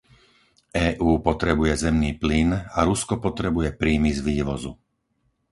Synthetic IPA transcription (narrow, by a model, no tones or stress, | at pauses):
ʔɛːʔuːpɔt̪ɾɛbujɛzɛmniːplinaɾuskɔpɔt̪ɾɛbujɛpɾiːmizʋiːʋɔzṵ